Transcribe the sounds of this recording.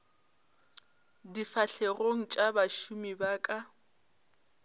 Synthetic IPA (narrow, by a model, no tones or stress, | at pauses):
difaɬeroŋ̩t͡ʃʼabaʃumibaːkʼa